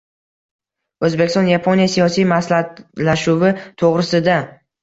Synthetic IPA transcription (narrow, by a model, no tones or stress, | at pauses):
ɵzbekʲɪst̪ɒ̃njapʰonijasijɒsijmaslat̪laʃuvɪt̪ʰoʁɾɪsɪd̪a